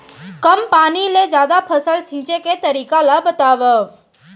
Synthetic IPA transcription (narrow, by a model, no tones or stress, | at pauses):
kəmpaːniled͡ʒjaːd̪apʰəsəlsĩːt͡ʃeket̪əɾiːkalabət̪aːʋə